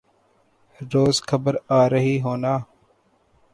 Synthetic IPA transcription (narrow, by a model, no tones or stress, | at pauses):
ɾoːzkʰəbəɾaːɾəɦiːɦoːnaː